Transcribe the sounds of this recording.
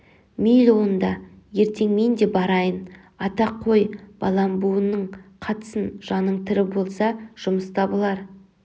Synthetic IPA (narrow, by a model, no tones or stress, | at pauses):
milʲo̞nd̪ɑ | je̞ɾt̪ʰe̞ŋme̞nd̪e̞bɑɾɑjən | ɑt̪ɑqʰːo̞jb̥ɑ̰lˠɑmbuənːəɴqʰɑt̪ə̥sənʒ̥ɑnːəɴt̪ʰɪɾɪbo̞lˠsɑʒ̥ʊməst̪ʰɑbəlˠɑɾ